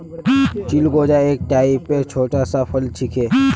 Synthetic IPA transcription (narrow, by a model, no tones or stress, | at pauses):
t͡ʃilɡoːd͡ʒaeːk̚ʈaːipːet͡ʃʰoːʈasapʰəlt͡ʃʰɪkʰeː